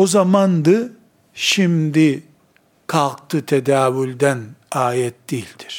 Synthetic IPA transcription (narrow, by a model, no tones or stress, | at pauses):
ozamand̪ɯ | ʃimd̪i | kʰalˠk̚t̪ʰɯt̪ʰed̪aːwylʲd̪ænaːjɛt̪̚d̪ilʲd̪i̥ɾ̥